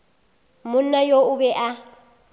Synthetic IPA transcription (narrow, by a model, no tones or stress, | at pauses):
mʊnajoʊbɛʔa